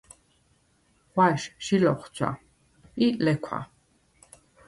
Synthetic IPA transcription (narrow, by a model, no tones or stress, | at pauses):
χwaʃʃilɔχt͡sʰwa̰ | ilɛkʷʰa̰